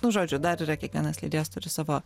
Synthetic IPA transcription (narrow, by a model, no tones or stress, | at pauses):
nʊʒoːd͡ʒʲʊd̪ɐɾiːɾɐkʲiɛkʋʲiɛnɐslʲiːd̪ʲɪjɛst̪ʊɾʲɪsɑːʋoː